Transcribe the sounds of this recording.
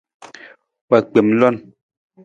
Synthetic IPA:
wa˨˩k͡pi˨˦mlɔ˦˩˨n

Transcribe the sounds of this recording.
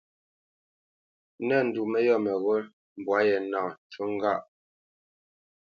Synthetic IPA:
nɛ˦˨n̩˨du˨mɛ˦jɔ˦˨mɛ˨ɣo˦l | m̩˨bwa˨˦jɛ˨na˨t͡ʃu˦ŋ̩˦ɡa˦˨ʔ

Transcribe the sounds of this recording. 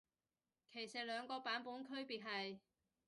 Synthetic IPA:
kʰe˨˩jsɐ˨t̚lœː˨˧ŋkɔː˧paː˨˥npuː˨˥nkʰɵ˥ɥpiː˨t̚ɦɐ˨j

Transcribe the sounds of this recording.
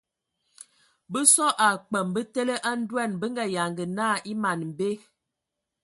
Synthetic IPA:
bə˦sɔ˦ʔa˨k͡pə˨mbə˦te˦lə˦ʔa˦n̩˦dwɛ˦˨nbə˦ŋ˦ɡa˨ja˨ŋɡə˨naː˦˨ʔi˦ma˨nm˨be˦

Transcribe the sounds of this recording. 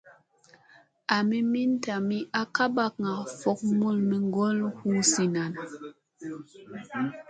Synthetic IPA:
a˨mi˦mi˦n˦ta˨mi˦ʔa˦ka˦ba˦k̚ŋa˨fɔ˨k̚mu˦˨lmi˨ŋ˦ɡɔ˦lhu˦si˨na˨n˨

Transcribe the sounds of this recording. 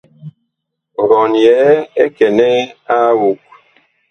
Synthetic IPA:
ɾɔ˨njɛː˨˦e˦kɛ˨nɛ˦a˦wu˨k̚

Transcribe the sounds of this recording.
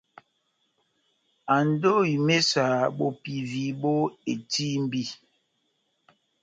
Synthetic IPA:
a˨n˦do˦i˨me˦sa˨ɓo˦pi˨vi˨˦ɓo˦e˨ti˦m̩˦bi˦

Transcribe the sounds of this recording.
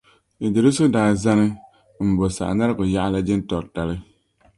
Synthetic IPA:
i˨d͡ʒe˨ɾu˦sʊ˦daː˨˦˨za˦nɨ˦ | m̩˨bo˨sa̰˨ʔa̰˨na˦ɾɨ˦ɡʊ˨ja˦ʔa˦la˦d͡ʒɪ˦n˦tɔ˨ɾta˨lɨ˦

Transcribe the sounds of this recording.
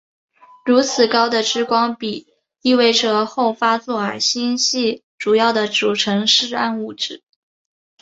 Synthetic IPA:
ɻu˧˥t͡sʰɹ̩˨˩kɑ˥ʊd̪ə˨ʈ͡ʂɻ̩˥kwɑ˥ŋpi˨˩˦ | i˥˧we˥˩ɪʈ͡ʂɤ˨˩xo˥˩ʊfa˥t͡swɔ˥˩ə˞˨˩˥ɕi˥ŋɕi˥˩ʈ͡ʂu˨˩jɑ˥˩ʊd̪ə˩ʈ͡ʂu˨˩ʈ͡ʂʰɤ˧˥ŋʂɻ̩˥˧a˥˧nu˥˩ʈ͡ʂɻ̩˨˩˦

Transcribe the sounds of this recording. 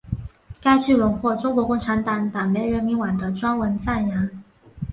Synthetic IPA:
ka˥ɪt͡ɕy˥˩lə˧˥nxwɔ˥˩ʈ͡ʂʊ˥ŋkwɔ˧˥kʊ˥˩ŋʈ͡ʂʰa˧˥nt̪ɑ˧˥ŋt̪a˨˩ŋme˧˥ɪɻə˧˥nmi˧˥nwa˨˩nd̪ə˦ʈ͡ʂwa˥nwə˧˥nt͡sa˥˩nja˧˥n

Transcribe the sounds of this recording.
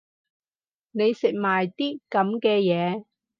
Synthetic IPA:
ne˨˧jsɪ˨k̚maː˨˩jt̪iː˥kɐ˨˥mkɛː˧jɛː˨˧

